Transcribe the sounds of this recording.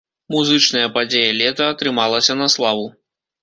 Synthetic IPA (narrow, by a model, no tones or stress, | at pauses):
muzɨt͡ʂnɐjɐpad͡zʲejɐlʲɛt̪ɐːt̪ɾɨmalˠɐsʲɐnɐslˠavu